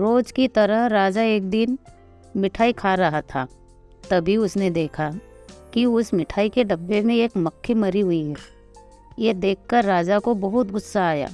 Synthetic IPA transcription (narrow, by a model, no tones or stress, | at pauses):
ɾoːd͡ʒkit̪ɐɾəɦɾaːd͡ʒaeːk̚d̪ɪn | mɪʈʰaːikʰaːɾɐɦat̪ʰa̰ː | t̪ɐbʱiʊsned̪eːkʰa | kiʊsmɪʈʰaːikeɖɐbːemẽeːkmɐkʰːimɐɾiɦʊiɦɛː | jed̪eːkʰːəɾːaːd͡ʒakobɐɦʊt̪ɡʊsːaːja̰ː